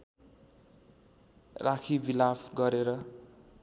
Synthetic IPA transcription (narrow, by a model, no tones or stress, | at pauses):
rakʰibilabɡʌɾeɾʌ